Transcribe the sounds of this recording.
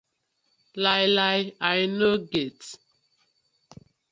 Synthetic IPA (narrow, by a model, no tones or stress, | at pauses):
lajlajajnoɡet